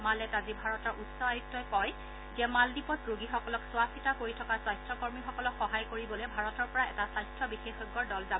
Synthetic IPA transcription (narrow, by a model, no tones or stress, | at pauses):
malɛtazibʱaɹɔtɔɹʔutsɔajutːɔjkɔj | zɛmaldipɔsɹoɡixɔkɔlɔkswasitakoɹitʰɔkaswajstʰɔkɔɹmixɔkɔlɔkxɔɦajkoɹibɔlɛbʱaɹɔtɔɹpɔɹaɛtasajstʰɔbixexɔɡɔɹdɔlzabɔ